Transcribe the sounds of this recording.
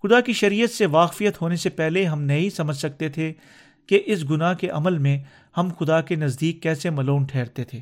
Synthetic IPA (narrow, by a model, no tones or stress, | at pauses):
xʊd̪akiʃɐɾiːjət̪seʋaːkfijət̪ɦoːnesepɛɦleɦɐmnɐɦĩsɐməd͡ʒʱsɐk̚t̪et̪ʰe | keʔɪsɡʊnaɦkeʔɐməlmẽ | hɐmxʊd̪akenɐzd̪iːkːɛːsemɐluːnʈʰɛːɾt̪et̪ʰeː